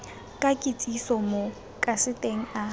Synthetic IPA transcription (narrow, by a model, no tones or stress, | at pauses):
kʼakʼɪt͡sʼisɔmo | kʼasɪtʼeŋ̩a